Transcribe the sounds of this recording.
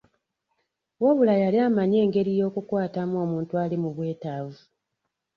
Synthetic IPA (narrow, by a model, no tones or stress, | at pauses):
waβulajaliamaɲe̞ːŋɡe̞ɾijo̞ːkukwaːtamo̞ːmuːntualimuβwe̞ːtaːvu